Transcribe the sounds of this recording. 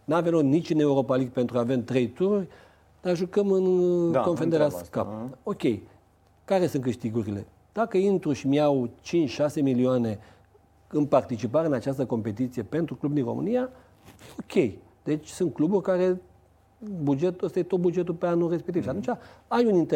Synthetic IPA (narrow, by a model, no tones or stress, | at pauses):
navemlo̞knit͡ʃʲɨne̞uɾo̞paliɡ̚pe̞nt̪ɾuavemt̪ɾe̞jt̪uɾurʲ | d̪̥arʒukəmɨnkonfond̪eeaska̰po̞kʲe̞j | kaɾe̞sunkɨʃt̪iɡuɾile̞ | d̪̥akəint̪ɾuʃimiawt͡ʃint͡ʃʃase̞milioane̞ | ɨnpart̪it͡ʃipaɾeɨnat͡ʃast̪əko̞mpe̞t̪it̪sije̞pe̞nt̪ɾuklubd̪inro̞̰mɨ̰nija | okʲe̞j | d̪̥e̞t͡ʃʲsunt̪̚kluburʲkaɾe̞ | bud͡ʒe̞t̪əst̪ajet̪o̞t̪̚bud͡ʒe̞t̪upeanure̞spekt̪ivʃiat̪unt͡ʃʲaajunint̪e